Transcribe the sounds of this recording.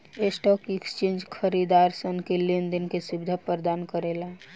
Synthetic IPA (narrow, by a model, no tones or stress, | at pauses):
esʈɔkikst͡ʃẽnd͡ʒkʰəɾid̪aɾsənkelind̪inkesibd̪ʱapəɾd̪ankəɾela